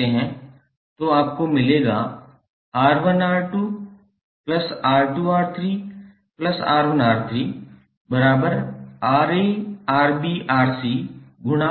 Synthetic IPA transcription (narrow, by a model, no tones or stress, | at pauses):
eɦɛ̃ | t̪oaːpkomɪleːɡaː | aːɾʋənaːɾʈuː | plɐsaːɾʈuːaːɾt̪ʰɾiː | plɐsa̰ːɾʋənaːɾt̪ʰɾiː | bɐɾaːbəɾaːɾeːaːɾbiːʔaːɾsiːɡʊña